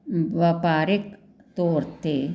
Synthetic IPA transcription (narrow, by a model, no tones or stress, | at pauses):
ʋapaːɾɪk | t̪oːɾt̪eː